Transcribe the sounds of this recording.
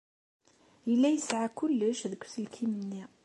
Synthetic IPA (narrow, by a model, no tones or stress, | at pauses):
əlːæjəsʕakʊlːəʃðəkʷsəlkʰimənːi